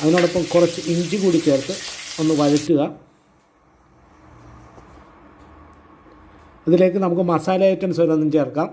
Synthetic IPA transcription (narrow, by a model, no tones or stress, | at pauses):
ɐðinoːɽopːɐmkurɐt͡ɕːɨiɲd͡ʑɨkuːɽit͡ɕe̞ːrt̪ːɨo̞nːɨʋɐɻɐtːuɣɐ | ɐðile̞ːkːɨnɐmukːɨmɐsaːlaːjitːɐnsɐɾɐnːint͡ɕeːrkːaːm